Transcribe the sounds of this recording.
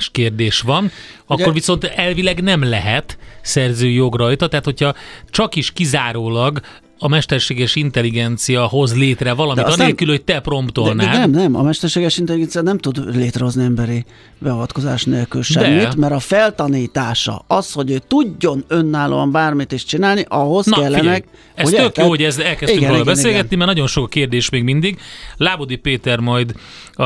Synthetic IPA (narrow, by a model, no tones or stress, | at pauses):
ʃkeːrd̪eːʃʋɒn | ɒkkːo̞rʋiso̞nt̪ɛlvilɛɡnɛmlɛɦɛt̪sɛrzøːjoɡrɒjt̪ɒt̪ɛɦat̪ho̞cʰhɒt͡ʃɒkiʃkizaːɾoːlɒɡ | ɒmɛʃt̪ɛrʃeːɡɛʃint̪ɛliɡɛnt̪sijɒɦo̞zleːt̪rɛvɒlɒmit̪ɒneːlkylhoc̚t̪ɛpro̞mpt̪olnaːɛmnɛmɒ̰mɛʃt̪ɛrʃeːɡɛʃint̪ɛliɡɛnsijɑnɛmt̪ud̪leːt̪rɛɦo̞zniɛmbɛɾi | bɛɒvɒt̪ko̞za̰ːʃneːlkylʃɛdit̪mɛɾɒfɛlt̪ɒniːt̪aːʃɒ̰ɒsho̞ɟøːt̪uɟːo̞nø̞nːaːlṵɒmbaːrmit̪eʃt͡ʃinaːlniʔɒɦo̞skɛlːɛnnɛ | ɛot̪økjoːoɟɛzɛlkɛsyŋkliɡbɛseːlɡɛt̪nimɛrnɒɟo̞nʃo̞kɒkeːrd̪eːʃmeːɡmind̪iɡlaːbod̪ipeːt̪ɛrmɒjd̪